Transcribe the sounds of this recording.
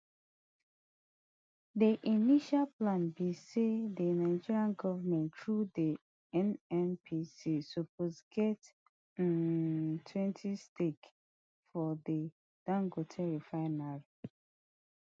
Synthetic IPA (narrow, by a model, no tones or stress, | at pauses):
diʔiniʃalplãnbisedənaɪd͡ʒiɹiãnɡɔvəmɛ̃ntɹudi | ɛnɛ̃mpʰisisuposɡɛt | ntʰwɛ̃ntʰistek | fɔdə | d̥ãŋɡotʰɛɹifaɪnal